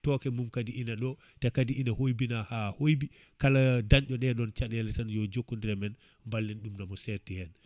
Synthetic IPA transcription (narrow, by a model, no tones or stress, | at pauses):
tɔkɛmumkadiʔinaɗɔ | tɛkadiʔinahojbinahahojbi | kaladanɗɔɗɛɗɔnt͡ʃaɗɛlɛtanjɔd͡ʒokːundiɾɛmɛn | mbalːinɗumnamɔsɛɾtihɛn